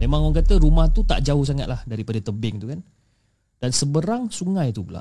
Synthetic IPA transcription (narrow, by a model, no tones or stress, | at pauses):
memaŋɔŋkat̪əɾumaht̪ut̪a̰ʔd͡ʒaohs̬aŋat̪̚lahdaɾipadət̪əbɪŋt̪ukan | d̥ansəbəɾaŋsuŋajt̪upula̰ʔ